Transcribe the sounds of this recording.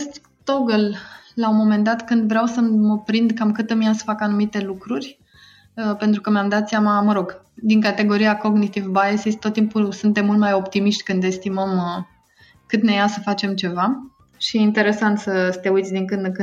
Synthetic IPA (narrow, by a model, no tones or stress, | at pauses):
st̪ | t̪oɡəllaumo̞me̞nd̪at̪kɨnd̪vɾeawsəməpɾind̪kamkɨt̪ɨmijasə̥fakanumit̪e̞lukɾurʲ | əpe̞nt̪ɾukəmjamd̪at̪sʲjamaməɾo̞ɡ | d̪iŋkat̪e̞ɡo̞ɾijako̞ɡnit̪ivbaesisʲt̪ot̪ːimpusunt̪e̞mːult̪majo̞pt̪imiʃt̪ʲkɨnd̪e̞st̪iməm | kɨt̪ne̞jasəfat͡ʃe̞mt͡ʃe̞va | ʃiint̪e̞ɾe̞sant̪səsət̪e̞ujt̪sʲd̪iŋkɨd̪kɨ